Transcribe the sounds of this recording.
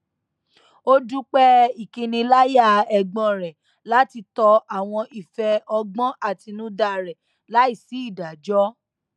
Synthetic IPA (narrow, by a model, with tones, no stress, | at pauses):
o˦du˦k͡pɛ˦i˨kĩ˧nĩ˧la˦ja˦˨ɛ˧ɡ͡bɔ̃˧˨ɾɛ˨ | la˦ti˧tɔ˧a˨w̃ɔ̃˧ʔi˨fɛ˧ɔ˧ɡ͡bɔ̃˦ʔa˦˨ti˧nũ˦da˨ɾɛ˨ | la˨˦i˦˨si˨˦i˦˨da˨d͡ʒɔ˦